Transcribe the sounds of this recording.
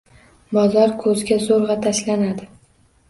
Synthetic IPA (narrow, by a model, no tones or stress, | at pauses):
bɒzɒɾkʰɵzɡʲazoɾʁɑt̪ʰaʃlanad̪ɪ